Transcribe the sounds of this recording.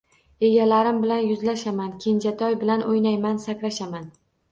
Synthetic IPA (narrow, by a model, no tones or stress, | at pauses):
e̞ɡʲalaɾɪmbɪlanjʊzlaʃamankʲʰend͡ʒat̪ʰɒjbɪlanʔojnajmansakʲlaʃaman